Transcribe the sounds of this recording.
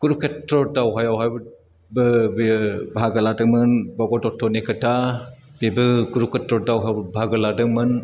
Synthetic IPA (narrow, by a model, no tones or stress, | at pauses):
kuɾup̚ketɾɔdawɦajawɦajb | bɯbebʱaɡɯladɯmɯnbɔɡɔdɔtʰːɔnekɯtʰab̥ebɯkuɾup̚ketɾɔdawɦajbʱaɡɯladɯŋmɯn